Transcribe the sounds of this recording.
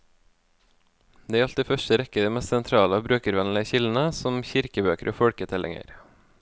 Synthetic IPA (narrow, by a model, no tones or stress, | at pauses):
d̪eːæɾɑlt̪iːfœʃtəɾɛkəd̪iːmɛst̪sɛnt̪ʰɾɑːləoːbɾøːkəɾʋɛnlɪəçɪld̪n̩əsɔmçɪɾkəbøːkəɾʔo̰ːfɔɽkət̪ʰɛlʔɪ̰ŋə̰ɾ